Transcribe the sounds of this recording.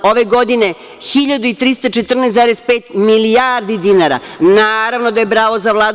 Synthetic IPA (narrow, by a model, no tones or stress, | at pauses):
o̞ʋeɡo̞d̪ine | xiʎad̪uit̪ɾist̪at͡ʃet̪r̩nesaːɾespeːt̪miliaɾd̪id̪inaɾa̰naːɾaʋnod̪ajebɾaːʋozaʋlˠaːd̪